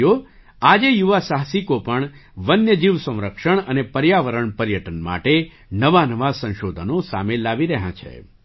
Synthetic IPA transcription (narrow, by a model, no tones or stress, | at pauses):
o | ad͡ʒejuʋasaɦsikopəɳʋənjəd͡ʒiʋsə̃w̃ɾəkʃəɳənepəɾjaʋəɾəɳpəɾjəʈənma̰ʈe | nəʋanəʋasə̃ñʃod̪ʱənosa̰melːaʋiɾəɦã̰t͡ʃʰḛ